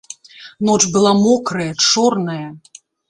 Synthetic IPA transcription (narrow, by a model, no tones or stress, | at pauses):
nɔt͡ʂbɨlˠamɔkɾɐjɐt͡ʂɔrnɐjɐ